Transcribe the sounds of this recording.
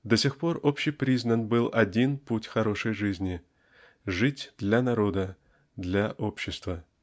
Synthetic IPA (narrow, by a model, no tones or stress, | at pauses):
d̪ɐsʲexpo̞ropɕːɪjpɾʲiznənbɨlˠʔɐdʲinputʲxɐɾo̞ʂɨjʐɨzʲnʲɪ | ʐɨtʲd̪lʲanɐɾo̞d̪ə | d̪lʲaʔo̞pɕːɪst̪və